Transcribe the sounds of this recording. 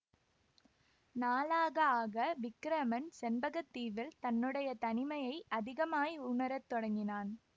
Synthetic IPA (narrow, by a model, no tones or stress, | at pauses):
naːlaːɣɐaːɣɐʋɪkːɾɐmɐnsɛnbɐɣɐt̪ːiːʋɪlt̪ɐnːɯɽɐjɐt̪ɐnɪmɐjɐɪʔɐðɪɣɐmaːjiʊɳɐɾɐt̪ːɔɽɐŋɡɪnaːn